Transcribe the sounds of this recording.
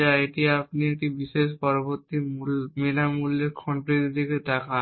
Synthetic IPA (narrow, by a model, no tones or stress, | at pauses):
aeʈiapniek̚ʈibiʃeʃ̬pɔɾoboɾt̪ːimulmenamulːeɾkʰɔɳʈɾid̪d̪ʱiked̪aka